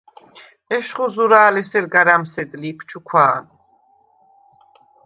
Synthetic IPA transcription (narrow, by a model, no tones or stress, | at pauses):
ɛʃχuzuɾaːlɛsɛɾɡaɾamsɛd̪liːpʰt͡ʃʰukʰwaːn